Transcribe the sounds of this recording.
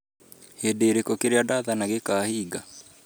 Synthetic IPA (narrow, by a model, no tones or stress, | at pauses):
hedeɾekokeɾeadaðanaɣekaːhiːɡa